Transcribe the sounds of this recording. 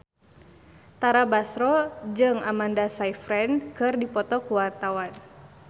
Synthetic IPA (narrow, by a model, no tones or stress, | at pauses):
t̪aɾabasɾɔd͡ʒɨŋamandasaifɾɛnkɨrdipɔt̪ɔkuwart̪awan